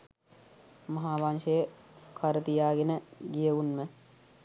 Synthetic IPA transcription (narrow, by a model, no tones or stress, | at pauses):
mɐɦaːʋanʃejəkʰɐɾət̪ijaːɡenəɡijəunmə